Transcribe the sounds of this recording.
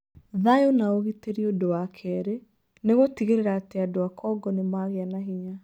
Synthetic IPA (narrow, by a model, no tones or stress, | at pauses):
ðajonaoɣiteɾiodowakʰɛɾe | neɣotiɣeɾeɾaːteadoakʰɔɡɔnemaɣeanaɦiɲa